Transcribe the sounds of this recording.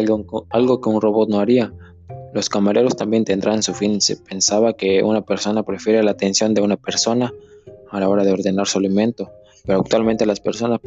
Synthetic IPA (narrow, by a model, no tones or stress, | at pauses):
alɣo̞ke̞unro̞βo̞t̪̚noaɾia | lo̞skamaɾe̞ɾo̞st̪ambje̞nt̪e̞nd̪ɾansufinse̞pe̞nsaβake̞ṵnape̞ɾso̞napɾe̞fje̞ɾelat̪e̞nsjo̞nd̪e̞unape̞ɾso̞naalao̞ɾað̞e̞o̞ɾðe̞naɾsolimẽ̞nt̪o̞ | pe̞ɾoak̚t̪walment̪elaspeɾso̞na